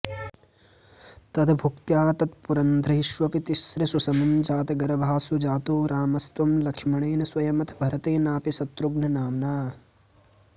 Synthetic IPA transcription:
t̪ɐd̪ɐbʱukt̪jaːt̪ɐt̪puɾɐnd̪ʱɾɐɦiʃʋɐpit̪iʃɾɐsusɐmɐɲd͡ʒaːt̪ɐɡɐɾɐbʱaːsud͡ʒaːt̪uːɾaːmɐst̪ʋɐmlɐkʂmɐɳeːnɐsʋɐjɐmɐt̪ʰɐ̥bʱɐɾɐt̪eːnaːpisɐt̪ɾuɡnɐnaːmnaː

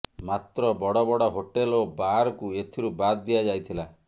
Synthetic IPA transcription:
mat̪ɾɔbɔɽɔbɔɽɔɦoʈelobaɾɔkuet̪ʰiɾubad̪ːijad͡ʒajt̪ʰila

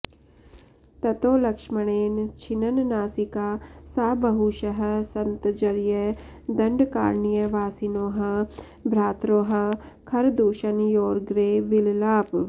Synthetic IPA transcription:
t̪ɐt̪oːlɐkʂmɐɽ̃eːnt͡ʃʰinɐnnaːsikaːsaːbɐɦuʃɐɦɐ̆sɐnt̪d͡ʒɐɾjɐ | d̪ɐɳɖka̰ːɾnijɐʋaːsinoːɦɐ̆ | bʱɾaːt̪ɾoːɦɐ̆kʰɐɾd̪uːʃɐnjoːɾɡɾeːʋillaːp

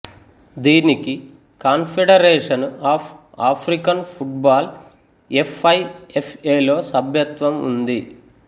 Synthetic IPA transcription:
d̪iːniki | kaːnpʰeɖɐɾeːʂɐnaːpʰ | aːpʰɾikɐnpʰuʈ̚baːl | epʰːɐjepʰeːlo̞ːsɐbʱjɐt̪ʋɐmṵnd̪i

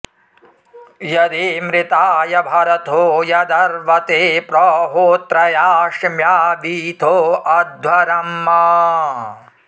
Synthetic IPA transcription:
jɐd̪eːmɾɪt̪aːjɐbʱɐɾɐt̪oːjɐd̪ɐɾʋɐt̪eːpɾɔːɦoːt̪ɾɐjaːʂmjaːʋiːt̪ʰoːʔɐd̪ʱʋɐɾɐmːaː

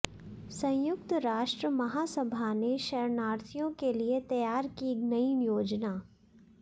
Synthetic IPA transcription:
sɐ̃jʊk̚t̪ɾaːʃʈɾəmɐɦasɐbʱaneʃɐɾnaːɾt̪ʰijõkeliet̪ɐjaːɾkiknɐinjoːd͡ʒnaː

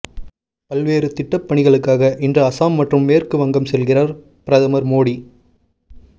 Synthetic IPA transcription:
pɐlʋeːɾɯt̪ɪʈːɐpːɐɳɪɣɐɭɯkːaːɣɐʔɪndrɐɐsaːmːɐʈrɯmːeːrkɯʋɐŋɡɐmsɛlɣɪraːɾ | pɪɾɐðɐmɐɾmoːɽi

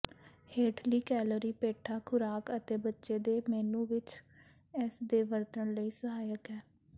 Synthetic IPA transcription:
heːʈʰliːkɛːloːɾiːpeːʈʰaːkʰʊɾaːkət̪eːbətːʃeːd̪eːmɛːnũːʋɪt͡ʃ | ɛsd̪eːʋəɾt̪əɳləiːsəɦaːjəkɛː

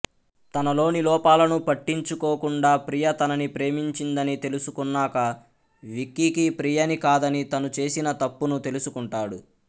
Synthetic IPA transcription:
t̪ɐnɐlo̞ːnilɔːpaːlɐnupɐʈːiɲt͡ʃukoːkuɳɖaːpɾijɐt̪ɐnɐnipɾe̞ːmiɲt͡ʃind̪ɐnit̪e̞lusukunːaːkɐ | ʋikːikipɾijɐnikaːd̪ɐnit̪ɐnut͡ʃe̞ːsinɐt̪ɐpːunut̪e̞lusukuɳʈaːɽṵ

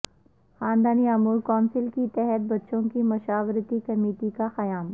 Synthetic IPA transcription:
xaːnd̪aːniɐmuːɾkɔːnsɪlkit̪ɛɦɛt̪̚bɐtːʃõkimʊʃaːʋɾt̪ikɐmeːʈikaxɐjaːm

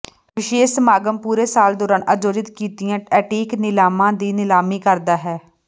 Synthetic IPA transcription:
ʋɪʃeːsmaːɡəmpuːɾeːsaːld̪oːɾaːnʔə̰d͡ʒoːd͡ʒɪt̪kiːt̪ɪjãːʈɛːʈiːknɪlaːmãːd̪iːnɪlaːmiːkəɾd̪aːɦɛː

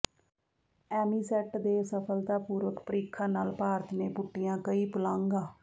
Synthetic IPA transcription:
ɛːmiːsɛːʈd̪eːsəpʰəlt̪aːpuːɾʋəkpəɾiːkʰãːnaːlpaːɾət̪neːpʊʈːɪjãːkəiːpəlãːŋɡaː

